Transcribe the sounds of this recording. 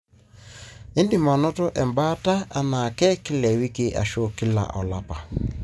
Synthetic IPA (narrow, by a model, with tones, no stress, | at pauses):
e˦ndi˦˨mɔ˨nɔ˦tɔ˦ʔɛ˨mba˦ta˦a˦na˨kɛ˦kɪ˦lɛ˨wi˦ke˦ʔa̰˨ʃo˦ki˦la̰˨ʔɔ˨la˨pa˨